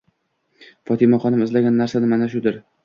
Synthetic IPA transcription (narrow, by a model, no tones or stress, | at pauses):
fɒt̪ʰɪmaχɒnɪmɪzlaɡʲanːaɾsanɪmanaʃʊd̪ɪɾ